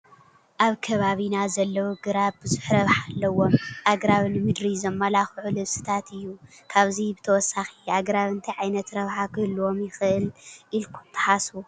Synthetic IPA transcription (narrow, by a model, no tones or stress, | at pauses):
ʔaβkʰɐβaβinazɐlːɐwuɡɨɾaβbɨzɨħɾɐβħalːɐwo̞mʔaɡɾaβnɨmɨd̪ɾizɐmːɐlaxʕulɨβsɨ̥t̪ʰat̪ɨjːu | kʰaβzibɨt̪ʰɐwɔsːaxiaɡɾaβɨnt̪ʰijʕajnɐt̪ɾɐβħakʰɨhɨlːuwo̞mjɪxɨʔɨlʔilkʰu̥t̪ʰːɨ̥ħasu